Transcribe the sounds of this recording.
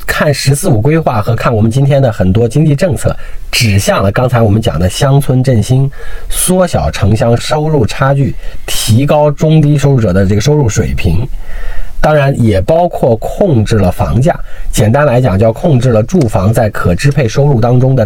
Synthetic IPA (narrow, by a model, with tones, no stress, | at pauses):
kʰa˥˩nʂɻ̩˧˥sɹ̩˥˩u˨˩kwe˥ɪxwa˥˩xɤ˧˥kʰa˥˩nwɔ˨˩mə˦nt͡ɕi˥nt̪ʰjɛ˥nd̪ə˨xə˨˩nt̪wɔ˥t͡ɕi˥ŋt͡ɕi˥˧ʈ͡ʂɤ˥˧ŋt͡sʰɤ̰˥˩ʈ͡ʂɻ̩˨˩ɕjɑ˥˩ŋlə˩kɑ˥ŋt͡sʰa˧ɪwɔ˨˩mə˦nt͡ɕjɑ̰˨˩ŋd̪ə˦ɕjɑ˥ŋt͡sʰwə˥nʈ͡ʂə˥˩nɕi˥nswɔ˥ɕjɑ˨˩ʊʈ͡ʂʰɤ˧˥ŋɕjɑ˥ŋʂo˥ʊɻu˥˩ʈ͡ʂʰa˥t͡ɕy˥˩t̪ʰi˧˥kɑ˥ʊʈ͡ʂʊ˥ŋt̪̬i˥ʂ̬o˥ʊɻu˥˩ʈ͡ʂɤ˨˩d̪ə˦ʈ͡ʂɤ˥˩ɡə˩ʂo˥ʊɻu˥˩ʂwḛ˨˩ɪpʰi˧˥ŋ | t̪ɑ˥ŋɻa˧˥njɛ˨˩pɑ˥ʊkʰwɔ˥˩kʰʊ˥˧ŋʈ͡ʂɻ̩˥˩lə˩fɑ̰˧˥ŋt͡ɕja̰˥˩t͡ɕjɛ˨˩nt̪a˥nla˧˥ɪt͡ɕjɑ˨˩ŋt͡ɕjɑ˥˧ʊkʰʊ˥˧ŋʈ͡ʂɻ̩˥˩lə˩ʈ͡ʂu˥˩fɑ˧˥ŋt͡sa˥˩ɪkʰɤ˨˩ʈ͡ʂɻ̩˥pʰe˥˩ɪʂo˥ʊɻu˥˩t̪ɑ˥ŋʈ͡ʂʊ˥ŋd̪ə˨